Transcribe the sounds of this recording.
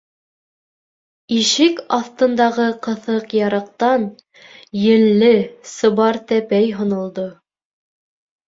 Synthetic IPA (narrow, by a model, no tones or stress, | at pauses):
iʃɘkɑθt̪ɤ̆nd̪ɑʁɤqɤ̆θɤqjɑɾɤ̆q̚t̪ɑn | jɘ̆lːɘsɤ̆βɑɾt̪æpæjɦŏnŏlˠd̪o